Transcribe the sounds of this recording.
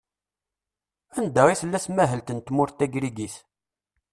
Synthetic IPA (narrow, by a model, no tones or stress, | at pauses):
ænd̪æʁiθəlːæsmæɦəlt̪ənt̪mʊɾt̪ːæɡɾiɡiθ